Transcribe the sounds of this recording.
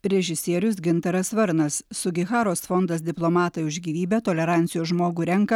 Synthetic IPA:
ɾʲɛʒʲɪsʲiɛɾʲʊsɡʲɪnt̪ɐɾɐsʋɐɾnɐssʊɡʲɪxɑːɾoːsfɔnd̪ɐs̬d̪ʲɪplˠomɑːt̪ɐɪʊʒʲɡʲiːʋʲiːbʲɛt̪oːlʲɛɾɑːˑnʲt̪sʲɪjoːʒmoːɡuːɾʲɛŋkɐ

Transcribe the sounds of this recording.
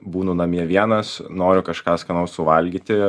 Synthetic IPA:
buːnʊnɐmʲiɛʋʲiɛnɐsnoːɾʲʊkɐʃkɑːskɐnɐʊssʊʋɐlʲɡʲit̪ʲɪ

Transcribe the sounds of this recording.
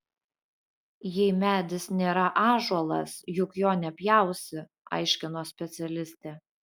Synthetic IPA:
jɛɪmʲæːd̪ʲɪsnʲeːɾɐʔɑːʒuɔlˠɐ̰sjʊkjoːnʲɛpʲjæˑʊsʲɪ | ɐ̰ɪʃʲkʲɪnoːsʲpʲɛt̪sʲɛlʲɪsʲt̪ʲɛ

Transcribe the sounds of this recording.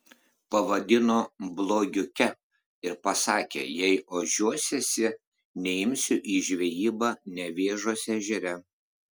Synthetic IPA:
pɐʋɐd̪ʲɪnoːblˠoːɡʲʊkʲɛ | ɪɾpɐsɑːkʲḛːjɛɪoːʒʲuɔsʲɛsʲɪ | nʲɛɪmʲsʲʊʔiːʒʲʋʲɛjiːbɑːnʲɛʋʲeːʒoːsʲɛʒʲɛɾʲɛ

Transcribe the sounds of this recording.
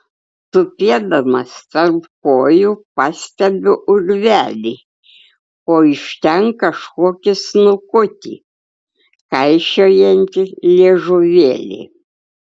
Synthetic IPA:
t̪ʊpʲiɛd̪ɐmɐst̪ɐrpkoːjupɑsʲt̪ʲɛbʲɪʔʊɾʲʋʲæːlʲiː | oːɪʃʲt̪ʲɛŋkkɐʃkoɔkʲɪsnʊkʊt̪ʲḭ | kɐɪʃʲoːjɛnʲt̪ʲɪlʲiɛʒʊʋʲḛːlʲḛː

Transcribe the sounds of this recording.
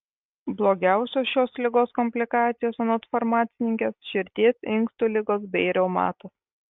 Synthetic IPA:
blˠoːɡʲæˑʊsʲoːsʃʲoːslʲɪɡoːskɔmʲpʲlʲɪkɑːt̪sʲɪjoːsɐnot̪fɐɾmɑːt̪sʲɪnʲɪŋʲkʲesʃʲɪɾʲt̪ʲeːsɪŋˑkst̪uːlʲɪɡoːsbʲɛɪɾʲɛʊmɑ̰ːt̪oːs

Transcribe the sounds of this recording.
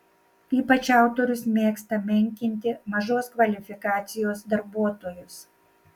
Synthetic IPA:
iːpɐt͡ʃʲɑˑʊt̪oːɾʲʊsmʲeːkst̪ɐmʲɛŋʲkʲɪnʲt̪ʲɪmɐʒoːskʋɐlʲɪfʲɪkɑːt̪sʲɪjoːsd̪ɐɾbuɔt̪oːjʊs

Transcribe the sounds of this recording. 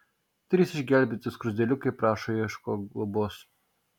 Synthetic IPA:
t̪ʲɾʲiːsɪʒʲɡʲælʲbʲɪt̪ʲɪskɾʊzʲd̪ʲɛlʲʊkɐɪpɾɑːʃoiʃkoːɡlˠʊboːs

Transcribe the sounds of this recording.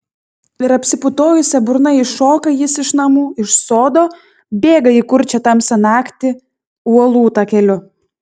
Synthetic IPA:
ɪɾɐpʲsʲɪpʊt̪oːjʊsʲɛbʊɾnɐɪʃoːkɐjɪsɪʃnɐmuːɪʃsoːd̪oː | bʲeːɡɐikʊɾʲt͡ʃʲɛt̪ɐmsʲɛnɑːkʲt̪ʲɪ | uɔlˠuːt̪ɑkʲɛlʲʊ

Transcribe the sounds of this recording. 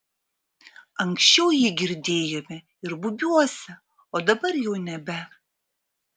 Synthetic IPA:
ɐŋkʃʲt͡ʃʲɛʊjɪɡʲɪɾʲd̪ʲeːjomʲɛ | ɪɾbʊbʲuɔsʲɐ | oːd̪ɐbɐrjɛʊnʲɛbʲɛ

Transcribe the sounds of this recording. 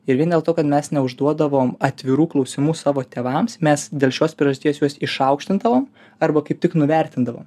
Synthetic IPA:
ɪɾʋʲiɛnd̪ʲeɛlˠt̪oːkɐt̪mʲɛsnʲɛʊʒd̪uɔd̪ɐʋoːmɐt̪ʲʋʲɪɾuːklˠɐʊsʲɪmuːsɑːʋoːt̪ʲeːʋɐmsmʲɛsd̪ʲeːlˠʃʲoːspʲɾʲɪɛʒɐsʲt̪ʲiːbeːsjuɔsɪʃɐʊkʃʲt̪ʲɪnd̪ɐʋoːm | ɐɾbɐkɐɪp̚t̪ʲɪknʊʋʲɛɾʲt̪ʲɪnd̪ɐʋo̰ːm

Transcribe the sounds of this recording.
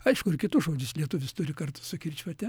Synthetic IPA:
ɐɪʃkʊɪrkʲɪt̪ʊsʒoːd͡ʒʲʊslʲiɛt̪ʊʋʲɪst̪ʊɾʲɪkɐrt̪ʊ̥ssʊkʲɪɾʲt͡ʃʲʋɐt̪ʲɛ

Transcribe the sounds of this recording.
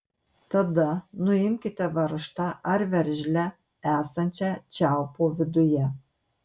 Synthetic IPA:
t̪ɐd̪ɐnʊɪmʲkʲɪt̪ʲɛʋɐɾɨʃt̪ɐʔɐɾʋʲɛɾʲʒʲlʲɛ | æːsɐnʲt͡ʃʲɛt͡ʃʲælpoʋʲɪd̪ʊjɛ

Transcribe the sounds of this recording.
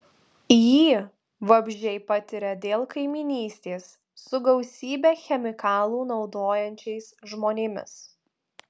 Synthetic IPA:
jiː | ʋɐbʲʒʲɛɪpɐt̪ʲɪɾʲɛd̪ʲeːlˠkɐɪmʲɪnʲiːsʲt̪ʲeːsː | ʊɡɐʊsʲiːbʲɛːxʲɛmʲɪkɑːlˠuːnɒʊd̪oːjɛnʲt͡ʃʲɛɪsʒmoːnʲeːmʲɪ̰s

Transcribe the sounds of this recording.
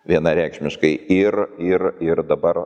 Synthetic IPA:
ʋʲiɛnɐɾʲæˑɪkʃʲmʲɪʃkɐɪɪrɪrɪɾd̪ɐbɐr

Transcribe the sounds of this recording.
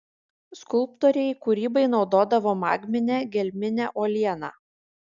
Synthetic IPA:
skʊlˠp̚t̪ɔːɾʲɛɪkʊɾʲiːbɐɪnɒʊd̪oːd̪ɐʋoːmɑ̰ːɡʲmʲɪnʲæːɡʲɛlʲmʲɪnʲæːʔoːlʲiɛnɑ̰ː

